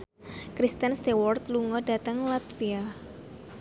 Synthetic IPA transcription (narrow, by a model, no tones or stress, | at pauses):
kɾist̪ənst̪ewɔrt̪luŋɔdat̪əŋlat̪fia